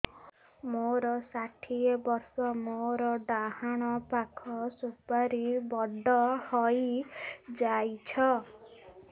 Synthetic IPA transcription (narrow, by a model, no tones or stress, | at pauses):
moɾɔsaʈʰiebɔɾsɔmoɾɔɖaɦaɽ̃ɔpakʰɔsupaɾibɔɖɔhɔj | d͡ʒajt͡ʃʰɔ